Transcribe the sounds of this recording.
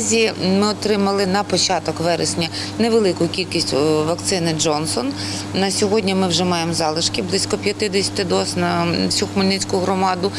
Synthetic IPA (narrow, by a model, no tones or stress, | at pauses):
zʲimɪɔt̪ɾɪmɐlˠɪnɐpɔt͡ʃɑt̪ɔkʋɛɾesʲnʲɐ | neʋelˠɪkʊkʲilʲkʲisʲtʲʋɐkt̪sɪnɪd͡ʒɔnsɔn | nɐsʲɔɦɔdʲnʲimɪwʒɛmɑjemzɑlˠɪʃkʲɪblˠɪsʲkɔpʲjɐt̪ɪd̪ɛsʲɐ̥t̪ɪd̪ɔsnɐwsʲuxʊmʊlʲnɪt͡sʲkʊɦɾɔmɑd̪ʊ